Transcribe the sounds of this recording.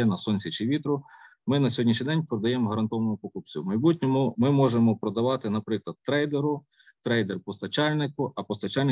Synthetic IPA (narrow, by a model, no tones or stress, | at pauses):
ɛnɐsɔnʲsʲit͡ʃɪʋʲit̪ɾʊ | mɪnɐsʲɦɔdʲnʲiʃ̬nʲid̪ɛnʲpɾɔd̪ɐjɛmɦɐɾɐnt̪ɔʋnʊpɔkʊp̚t͡sʲʊ̰wmɐjbutʲnʲɔmʊmɪmɔʒemɔpɾɔd̪ɐʋɑt̪ɪnɐpɾɪklˠɐd̪̚t̪ːɾɛjd̪eɾʊ | t̪ɾɛjd̪erpɔst̪ɐt͡ʃɑlʲnɪkʊʔɐpɔst̪ɐt͡ʃɑlʲn